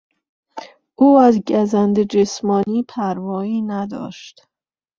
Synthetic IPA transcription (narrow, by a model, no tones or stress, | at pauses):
ʔuːæzɟæzænd̪ed͡ʒesmɒːniːpʰæɾvɒːiːnæd̪ɒ̰ːʃt̪